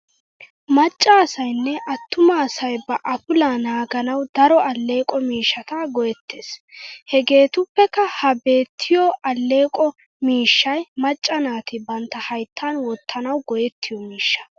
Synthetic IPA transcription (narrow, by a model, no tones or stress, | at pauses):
mɐt͡ʃʼːaːsɐjnːɛʔɐt̪ːʊmaːsɐjbɐʔɐpʊlaːnaːɡɐnɐwd̪ɐɾɔɐlːe̞ːkʼɔmiːʃːɐt̪ɐɡɔjɛt̪ːeːshɛɡe̞ːt̪ʊpːɛkːɐhɐbe̞ːt̪ʰːɪjɔʔɐlːe̞ːkʼɔ | miːʃːɐjmɐt͡ʃʼːɐnaːt̪ɪbɐnt̪ːɐhɐjt̪ʰːanwɔt̪ʰːɐnɐwɡɔjɛt̪ːɪjɔmiːʃːɐ̥